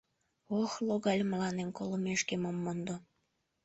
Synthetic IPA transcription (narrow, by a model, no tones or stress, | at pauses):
oxloɣɑlʲməlɑnenkolomeʃkemomːond̪o